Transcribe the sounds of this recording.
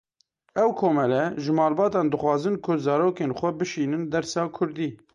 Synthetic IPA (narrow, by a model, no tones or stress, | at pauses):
ɛwkʰoːmɛlɛʒɨmɑːlbɑːt̪ɑːnd̪ɨxwɑːzɨnkʰʊzɑːɾoːkenxʷɛbɨʃiːnɨnd̪ɛɾsɑːkʰʊɾd̪iː